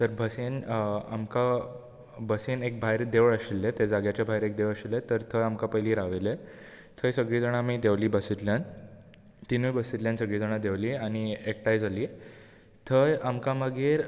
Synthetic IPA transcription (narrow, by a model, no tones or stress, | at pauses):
t̪əɾbʱəsena̰mka | bəsenek̚bʱajɾd̪eʋəɭəɕilːet̪ed͡zaɡjat͡ɕjabʱaɦjɾek̚d̪eʋɭəɕelːet̪əɾt̪ʰəjamkãpəjliːɾaʋele | t̪ʰəjsəɡɭiːd͡zəɽ̃aːmid̪eʋliːbəsit̪ljan | t̪inujbəsit̪ljãnsəɡɭiːd͡zəɽ̃ad̪eʋliːaɽ̃iek̚ʈajd͡zaliː | t̪ʰəjamkãməɡʱeɾ